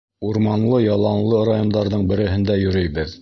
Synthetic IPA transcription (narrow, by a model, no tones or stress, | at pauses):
uɾmɑnlˠɤjɑlˠɑnlˠɤɾajond̪ɑɾðɤɴbɘ̆ɾɘ̆ɦɘ̆nd̪æjɵ̆ɾɘjβɘð